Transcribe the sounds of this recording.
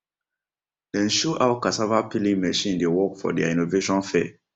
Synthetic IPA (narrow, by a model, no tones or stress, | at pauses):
dɛ̃nʃoʔawkasavapilĩŋmɛʃĩndewɔkfɔ̰dia̰ĩnoveʃɔ̃nfɛ